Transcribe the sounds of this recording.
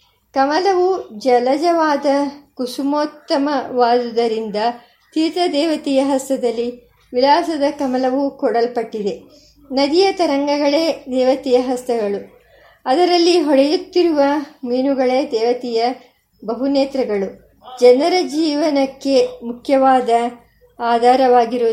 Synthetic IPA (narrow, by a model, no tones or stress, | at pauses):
kɐmɐlɐʋud͡ʒɐlɐd͡ʒɐʋaːd̪ɐkusumoːt̪ːɐmɐʋaːd̪ud̪ɐɾind̪ɐ | t̪iːt̪ɐd̪ɛːʋɐt̪ijɐɦɐst̪ɐd̪ɐlːi | ʋilaːsɐd̪ɐkɐmɐlɐʋukɔɽɐlpɐʈːid̪e̞ | nɐd̪ijɐt̪ɐɾɐŋɡɐɡɐɭe̞ːd̪ɛːʋɐt̪ijɐɦɐst̪ɐɡɐɭu | ɐd̪ɐɾɐlːiɦɔɽɐjut̪ːiɾuʋɐmiːnuɡɐɭeːd̪ɛːʋɐt̪ijɐ | bɐɦuneːt̪ɾɐɡɐɭu | d͡ʒɐnɐɾɐd͡ʒiːʋɐnɐkːe̞mukʰjɐʋaːd̪ɐ | aːd̪ʱaːɾɐʋaːɡiɾu